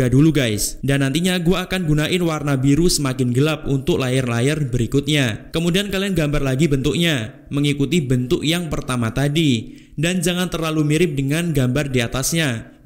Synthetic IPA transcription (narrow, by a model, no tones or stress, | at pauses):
aduluɡajsdanːant̪iɲaɡuaːkanɡunaʔɪnwarnabiɾusəmakɪnɡəlap̚unt̪ʊk̚lajɪrlajɪrbəɾikʊt̪̚ɲakəmudiankalianɡambarlaɡibənt̪ʊk̚ɲa | məŋikut̪ibənt̪ʊk̚jaŋpərt̪amat̪adi | dand͡ʒaŋant̪ərlalumiɾɪp̚dəŋanɡambardiat̪asɲa